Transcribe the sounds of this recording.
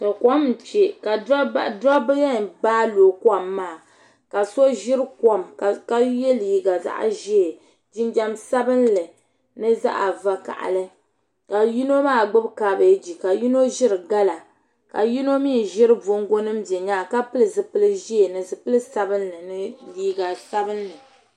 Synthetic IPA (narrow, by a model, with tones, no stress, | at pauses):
ka˨ka˦m̩˨t͡ʃe˨ka˨da˦da˦bɨ˦ja˦˨ɡ͡baː˦lo˨kwa˦˨mːaː˦˨ | ka˨so˦ʒɪ˦ɾɨ˦kɔ˦mkka˦jɛ˦lji˨ɡa˨za̰˦ʔa̰˨ʒi˦e˨ | d͡ʒi˦nd͡ʒa˦msa˦bɨ˦nlɨ˨ | nɨ˦za̰˦ʔa̰˨va˨ka̰˨ʔa̰˨lɨ˦ | ka˨ji˦no˦maː˦˨ɡ͡bɨ˦bkaː˨ba˨˦d͡ʒi˨ka˨ji˦no˦ʒɪ˦ɾɨ˨ɡa˦la˨ | ka̰˨ji˦no˦mi˦˨ʒɪ˦ɾɨ˦vo˦ŋɡo˦nɨ˦mbɛ˨ɲaː˦˨ka˦pɨ˦lɨ˨zɨ˨pɨ˦lɨ˦ʒi˦e˨nɨ˨zɨ˨pɨ˦lɨ˦sa˦bɨ˦nlɨ˨nɨ˦liː˦ɡa˨sa˦bɨ˦nlɨ˨